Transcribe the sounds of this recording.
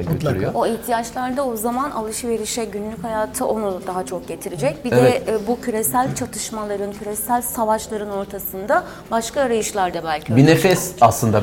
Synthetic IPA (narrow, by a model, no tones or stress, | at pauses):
aɟøt̪ʰyɾyjooiçt̪ʰijat͡ʃlˠaɾd̪ao̞zamana̰lˠɯʃɯve̞ɾiʃɛɟynlʲychajaːt̪ʰɯʔo̞nud̪aɦat͡ʃʰo̞k̚ɟe̞t̪ʰiɾid͡ʒɛc̚bid̪ɛbucʰyɾesælʲt͡ʃʰat̪ʰɯʃmalˠaɾɯncʰyɾesælʲsavaʃlˠaɾɯno̞ɾt̪ʰasɯnd̪a | baʃkaːɾajɯʃlˠaɾd̪abælʲcʰibinefɛsaslˠɯnd̪a